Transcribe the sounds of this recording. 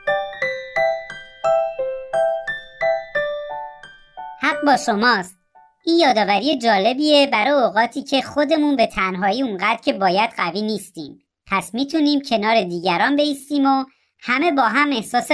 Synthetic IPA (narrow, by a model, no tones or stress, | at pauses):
hæɢ̚bɒːʃo̞mɒːst̪̚ | ʔiːnjɒːd̪ɒːvæɾijed͡ʒɒːle̞biːe̞bæɾɒjeoɣɒːt̪ʰiːcʰe̞xo̞d̪e̞munbe̞t̪ʰænɦɒːjiːuŋɢæːd̪ɾcʰe̞bɒːjæd̪̥ɢæviːniːst̪iːm | pʰæsmiːt̪ʰuːniːmcʰe̞nɒːɾe̞d̪iːɟæɾɒːnbe̞iːst̪iːmo | hæme̞bɒːɦæme̞hsɒːse